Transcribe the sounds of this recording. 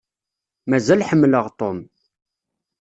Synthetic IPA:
mæzælħəmːləʁt̪ˤom

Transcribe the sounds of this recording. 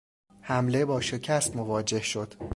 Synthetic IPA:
hæmlebɒːʃe̞cʰæst̪mo̞vɒːd͡ʒe̞hʃo̞d̪̥

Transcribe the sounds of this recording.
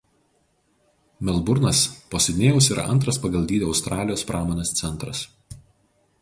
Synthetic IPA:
mʲɛlˠbʊɾnɐspoːsʲɛd̪ʲɪnʲeːjʊsiːɾɐ̰ʔɐ̰nt̪̬ɾɐspɐɡɐlˠʲd̪ʲiːd̪ʲeɒʊst̪ɾɑːlʲɪjoːspɾʔɑːmoːnʲest̪sʲɛnˑt̪ɾɐs

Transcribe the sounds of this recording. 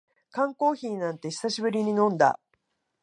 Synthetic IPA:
kãŋko̞ːçiːnãnt̪e̞çi̥saɕibɯ̟ɾʲiɲ̟inõ̞nd̪a̰

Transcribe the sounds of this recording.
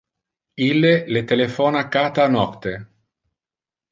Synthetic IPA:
ilːelet̪elefɔːnakaːt̪aːnɔkt̪ːe

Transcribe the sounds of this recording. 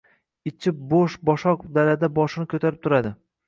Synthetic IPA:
ɪt͡ʃʰɪp̚boʃbɒʃɒkd̪alad̪abɒʃɪnɪkʰʲɵt̪ʰaɾɪp̚t̪ʰʊɾad̪ɪ

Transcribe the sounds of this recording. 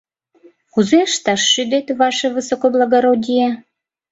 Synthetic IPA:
kuzeəʃt̪ɑʃːyd̪et̪βɑʃeβəsokoblˠaɣoɾodʲije

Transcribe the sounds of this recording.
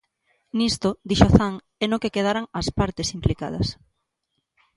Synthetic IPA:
nist̪od̪iʃoθaŋ | ɛnokekeð̞aɾaŋɐspaɾt̪esimplikað̞ɐs

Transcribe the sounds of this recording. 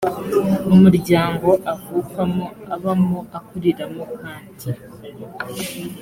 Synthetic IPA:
umuɾɟaːŋɡo̞ʔavukamoaβamoʔakuɾiɾamokaːnti

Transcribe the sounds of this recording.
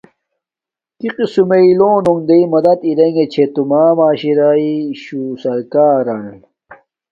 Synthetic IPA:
kiqisumeiloːnoŋd̪ɐimɐd̪ɐt̪iɾeŋɡet͡ɕʰet̪umaːmaːɕiɾaːiɕusɐɾkaːɾɐn

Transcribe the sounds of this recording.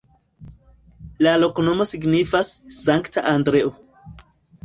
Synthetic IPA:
lalo̞kono̞mo̞siɡnifasːaŋktʰaʔandɾeʔo

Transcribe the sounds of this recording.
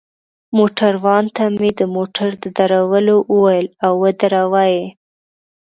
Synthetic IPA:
moʈaɾwɑnt̪amed̪əmoʈʰaɾd̪əd̪aɾawəloʔəwajəlawːəd̪aɾawaje

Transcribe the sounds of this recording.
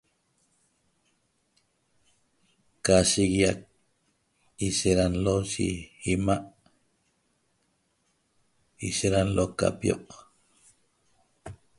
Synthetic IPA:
kːaʃiɣijak̚ | iʃeɾanloʃḭimaʔ | iʃeɾanloka̰pjo̰ʔ

